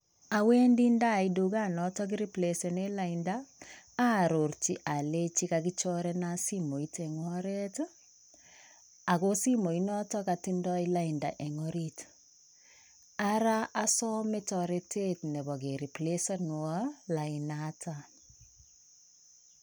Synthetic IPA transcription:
a˨we˦ndi˦nda˦˨i˦du˨˦ɡa˦˨nɔ˨˦tɔ˦k̬i˦ɾi˦ple˨se˨ne˦la˨indaː˦˨ | ɾo˨ɾt͡ʃi˦ʔa˨le˦t͡ʃi˦ka˨ɡi˦t͡ʃɔ˦ɾɛ˦na˦si˦mo˨i˦tɛ˨ŋwɔ˦ɾe˦t | a˨ko˦si˦mo˨i˦nɔ˦tɔ˦ka˨ti˦ndɔ˦i˦la˦i˨nda̰˨ʔɛ˨ŋɔɾi˦t | a˦ɾa˦a˦sɔ˦me˦tɔ˨ɾe˦tʰe˦tnɛ˨bɔ˨ɡe˨ɾi˨ple˦sɔ˦n˨ɔ˦la˨i˨nata˨

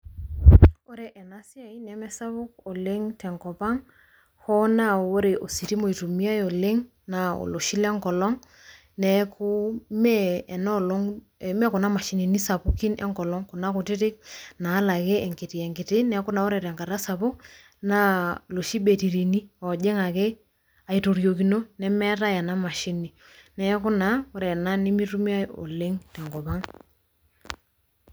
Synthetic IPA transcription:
o˦ɾɛ˨ʔɛ˨na˦si˦a˨i˦nɛ˨˦mɛ˦sa˦βʊ˦k̚o˨le˦ŋtɛ˨ŋkɔ˨pa˦ŋ | hɔ˦na˦˨o˦ɾe˨ʔo˨si˨ti˦mo˨i˨to˨mi˦a˦o˨le˦ŋ | na˨o̰˨lo˨ʃi˦lɛ˦ŋkɔ˨lɔ˦ŋ | nɛ˨˦kʰu˦mɛː˦˨nɔ˦lo˦ŋ | ɛ˨mɛ˦ku˨na˦ma˨ʃi˨ni˨ni˦sa˨pu˦ki˦nɛ̰˦ŋkɔ˨lɔ˦ŋko˨na˦kʊ˨tɪ˦tɪ˦k̚naː˨˦la˨ke˦ɛ˨ŋkɪ˨tɪ˨ɛ˨ŋkɪ˨tɪ˦nɛ˨kʊ˦na˨ɔ˦ɾɛ˨ɾɛ˨ŋka˨ɾa˦sa˨pʊ˦k̚ | na˦lo˨ʃi˦be˨ti˨ɾi˨ni˦ɔ˨d͡ʒɛ˦ŋa˨ke˦ | a˨i˨to˨ɾjo˨k̬i˨no˦nɛ˦mɛ˦ɾa˦ja˨na˦ma˨ʃi˦ni˨ | nɛ˦kʊ˦na˦ɔ˦ɾɛ˨na˦nɪ˦mi˦ɾu˦m˦a˦o̰˨le˦ŋtɛ˨ŋɡɔ˨pa˦ŋ

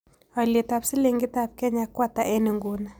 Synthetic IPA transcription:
ɔ˨le˨ta˨psɪ˦le˨ŋɡɪ˦ta˨p̚kɛ˦ɲa˨kwa˦ta˨ʔɛ˦ni˨ŋɡu˨˦na˨

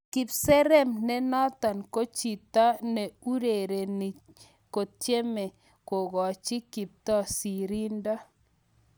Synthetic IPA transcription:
kɪ˨psɛ˦ɾɛ˦mnɛ˦nɔ˦t̪a˨nko˦t͡ʃi˨ta˦nɛ˨u˦ɾe˨ɾe˨nɪ˨ | ko˨t̚t͡ʃe˦me˨ | ko˨ɣɔ˨t͡ʃɪ˦ki˨p̚t̪ɔ˦si˨ɾi˦nda˦

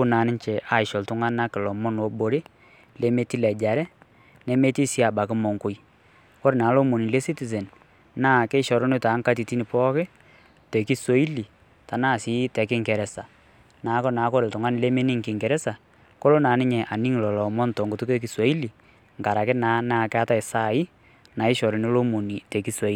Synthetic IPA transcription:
ʊ˦naː˨nɪ˦ɲt͡ʃɛ˨ʔa˨ɪ˨ʃɔ˨ltʊ˨˦ŋa˦na˦kɪ˨lɔ˨mɔ˦nwɔ˨bo˨ɾe˦ | le˦me˦ti˦lɛ˨d͡ʒa˨ɾɛ˦ | nɛ˦me˦ti˦si˦a˨ba˨kɪ˦mɔ˨ŋkʊ˨j | kɔ˦ɾɪ˨naː˨˦lɔ˦mo˨ni˨le˦si˦ti˨zɛ˨n | naː˦˨ke˦ʃɔ˨ɾɔ˦nɪ˦taː˨˦ŋ˦ka˦t̬i˨ti˦nɪ˨pɔ˦kɪ˦ | te˨ki˦so˨˦i˦li˨ | ta˨naː˦˨sɪ˦tɛ˨kɪ˦ŋkɛ˨ɾɛ˨sa˨ | na˨˦kɔ˦naː˨˦kɔ˦ɾɪ˨ltʊ˨ŋa˦nɪ˨le˦me˦ni˦ŋkɪ˨ŋkɛ˨ɾɛ˦sa˨ | ko˦lo˦naː˨˦nɪ˦ɲɛ˨ʔa˨ni˦ŋlɔ˨lɔ˨mɔ˦ntɔ˨ŋɡʊ˨tu˦ke˦k̬i˦so˨˦i˦li˨ | ŋ̩˨ka˨ɾa˨kɪ˦naː˨˦naː˦˨kɪ˦a˦ta˦ɪ˨sa˦˨i˦ | na˨ɪ˦ʃɔ˨ɾɪ˨ni˦lo˦mo˨ni˨te˨ki˦so˨i˦˨

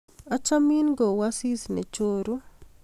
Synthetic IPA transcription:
a˦t͡ʃa˦mi˦nɡɔ˨wa˦si˦snḛ˨t͡ʃoɾu˦

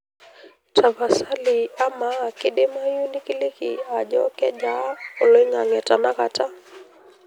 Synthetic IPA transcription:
tʰa˨va˨sa˦lia˦maː˨kiɗi˦ma˦ju˦nikili˦kḭaʄɔkɛ˦ʄa˦ɔ˨lɔ˦i˦ŋa˨ŋɛ˨ta˨naka˦ta˦

